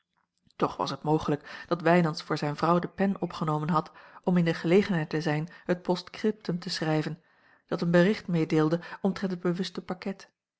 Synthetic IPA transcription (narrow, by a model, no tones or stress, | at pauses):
tɔχʋɑ̰sətmowχələkd̥ɑtʋɛjnɑnsfʊːɹzɛjnvʁɑwdəpɛnɔpχənowmənɦɑtɔmɪndəχəlejχənɦɛjtəzɛjnhət̚pɔstkrɪp̚təmtəsrɛjvən | d̥ɑtənbərɪχtmejdeːlˠdəʔɔmtʁɛntəd̚bəʋɵstəpɑkɛt